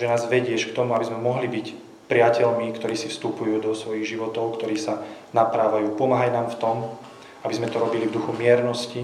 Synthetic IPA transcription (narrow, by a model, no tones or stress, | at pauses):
ʒɛnaːzʋɛɟɪɛʃkt̪ɔmuabizmɛmɔɦlibic | pɾɪacɛlmikt̪ɔɾiːsifst̪upujuːd̪ɔsʋɔjiɣʒiʋɔt̪ɔʊkt̪ɔɾiːsanapɾaːʋajuːpɔmaːɦajnaːmft̪ɔm | abizmɛt̪ɔɾɔbilivd̪uxumɪɛɾnɔsci